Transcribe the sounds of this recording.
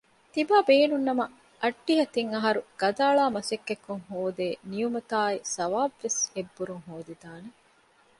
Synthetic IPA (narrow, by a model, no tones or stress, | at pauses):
t̪ibaːbeːnunːɐmɐ | ʔɐɖːiɦɐt̪iŋɐɦɐɾuɡ̥ɐd̪aːɭaːmɐsekːekːuŋhoːd̪eːnijumɐt̪aːisɐʋaːbʋesebːuɾuŋɦoːd̪id̪aːne